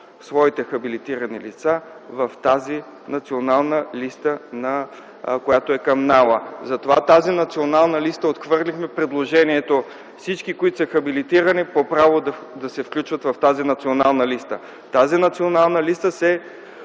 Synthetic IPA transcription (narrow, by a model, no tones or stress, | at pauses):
svɔit̪ɛxɐbilit̪iɾɐnḭlḭt̪sa | vɐft̪azi | nɐt̪sionalˠnəlist̪ənɐ | kojat̪oɛkɐmnalˠəzɐt̪ovat̪azinɐt̪sionalˠnəlist̪əot̪xvɤɾlixmɛpɾɛd̪lˠoʒɛniɛt̪o | fsit͡ʃkikoit̪o̥səxɐbilit̪iɾənipopɾavod̪ | d̪ɐsɛfklʲut͡ʃvɐt̪vɐft̪azinɐt̪sionalˠnəlist̪ə | t̪azinɐt̪sionalˠnəlist̪əsɛ